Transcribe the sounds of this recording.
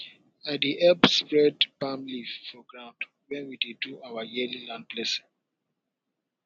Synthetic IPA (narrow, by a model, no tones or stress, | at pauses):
adiʔɛlbspɹɛdbamlivfɔɡɹãʊ̃nd | wɛ̃nwideduʔawajililãnd̚blɛsĩ